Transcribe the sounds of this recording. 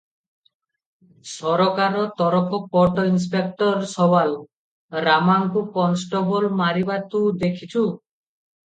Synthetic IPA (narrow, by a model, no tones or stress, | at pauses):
sɔɾɔkaɾɔt̪ɔɾɔkʰɔpɔʈɔins̬pek̚ʈɔɾsɔwal | ɾamaŋkupɔnsʈɔbɔlmaɾibat̪ud̪ekʰit͡ʃʰu